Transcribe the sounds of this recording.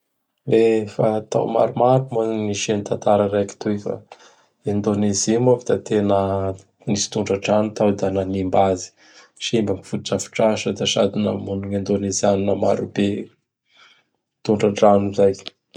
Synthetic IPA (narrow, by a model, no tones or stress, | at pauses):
lefat̪a̰wma̰ɾumaɾumaniʃenit̪ant̪aɾəɾajki̥t̪uefa̰ | ind̪onezimofi̥d̪at̪enə | nisi̥t̪uɳɖ͡ʐaɖ͡ʐanut̪awd̪ananimbazi̥ | ʃimbamifut̪iʈ͡ʂafi̥ʈ͡ʂaʃəd̪aʃa̰d̪inə̰munuŋind̪onezianinəmaɾube | t̪uɳɖ͡ʐaɳɖ͡ʐanuzaj